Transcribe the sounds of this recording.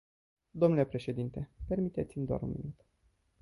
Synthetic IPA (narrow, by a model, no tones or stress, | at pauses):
d̪o̞mnule̞pɾe̞ʃe̞d̪int̪e̞pe̞rmit̪e̞t̪sʲimd̪oa̰ɾṵnmḭnut̪